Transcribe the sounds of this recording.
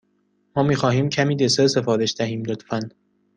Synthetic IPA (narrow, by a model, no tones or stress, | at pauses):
mɒːmiːxɒːhiːmcʰæmiːd̪esese̞fɒːɾe̞ʃd̪æɦiːmlot̪fæn